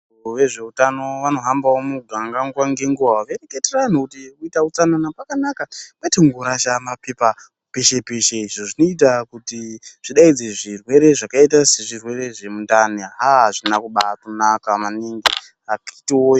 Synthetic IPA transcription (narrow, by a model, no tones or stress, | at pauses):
uʋe̞ʐe̞utano̞ʋano̞ɦambaomuɡʱaŋɡaŋɡwaŋɡe̞ŋɡuʋaʋereketeraan̤ukutikuitaut͡sananapakanakamaitaŋɡoɾaʃamapepa | pe̞ʃe̞pe̞ʃe̞iʐoʐino̞itakutiʐ̥iɗaid͡zeʐirwe̞ɾe̞ʐakaitase̞ʐirwe̞ɾe̞ʐe̞mundaniɦaɦaʐinakuɓatonakamaniŋɡi | akitiojo